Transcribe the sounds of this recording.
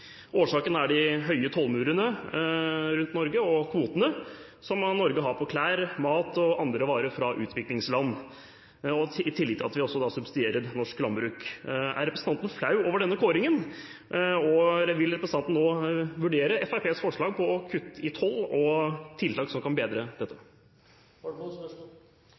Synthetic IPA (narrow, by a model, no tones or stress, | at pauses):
ʔoːʂɑːkənəæɖɪɦœʏət̪ʰɔlmʉːɾənə | ɾʉnt̪nɔɾɡəɔkʰʋuːt̪ənə | sɔmnɔɾɡəɦɑɾpʰɔkʰlæːɾmɑːt̪ɔɑnd̪ɾəʋɑːɾəfɾɑʔʉ̰ːt̪ʰʋɪklɪŋslɑnː | ɔɪt̪ʰɪlːɪt̪ʰːɪɑt̪ʋɪɔsːɔd̪ɑsʉbsɪd̪eːɾəɾnɔʂklɑmbɾʉːkæ̰ɾɛpɾəsəɑnt̪ən̩flɑʉoːʋəɖɛnːəkʰoːɾɪŋən | ɔʋɪlɾɛpɾəsəɑnt̪n̩ːoːʋʉɖeːɾəɛfæɪpʰeːsfɔʂɭɑːɡ̚pʰɔkʰʉt̪ːɪt̪ʰɔlːɔt̪ʰɪlt̪ʰɑːksɔmkʰɑnbeːd̪ɾəd̪ɛt̪ːə